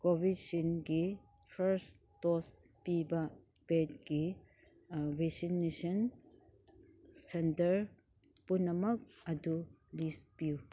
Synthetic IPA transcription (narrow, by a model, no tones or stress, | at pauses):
kobid̚sinɡi | pʰɐɾs | tɔs | pibɐ | pet̚ɡi | wesinːesɐn | sentɐɾ | punːɐmɐk̚ɐdulispiu